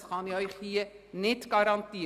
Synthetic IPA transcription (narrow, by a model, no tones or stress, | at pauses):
sχɑnɪœʏχhiənɪtɡ̥ɑɾɑntiː